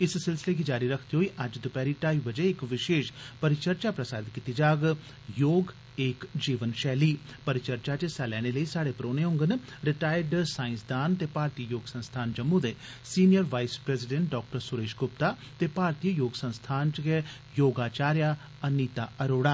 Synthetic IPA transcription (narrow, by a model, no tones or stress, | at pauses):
ɪssɪlsɪleːɡid͡ʒaːɾiɾəkʰd̪iɦoːiːʔɐd͡ʒd̪ʊpɛːɾiːʈaːibəd͡ʒeɪkʋɪʃeːʃpəɾɪt͡ʃəɾt͡ʃaːpɾəsaːd̪ɪt̪̚kit̪id͡ʒaːɡ | joːɡ | eːkd͡ʒiːʋənʃɛːliːpəɾɪt͡ʃəɾt͡ʃat͡ʃəsɛːlɛːñeləiːsaːɽepɾoːneɦʊ̃ŋɡənɾɪʈaːɪɖsaːɪ̃nsd̪aːnt̪eːpaːɾt̪iːəjoːɡsə̃nst̪ʰaːnd͡ʒəmːud̪eː | siːnijəɾʋaːispɾɛːzɪɖɛ̃ɳʈ̚ɖɔːk̚ʈəɾsʊɾeːʃɡʊp̚t̪aː | t̪eːpaːɾt̪ijəjoːɡsə̃nst̪ʰaːnt͡ʃɡɛ | joːɡaːt͡ʃaːɾjaː | əniːt̪aːʔəɾoːɽaː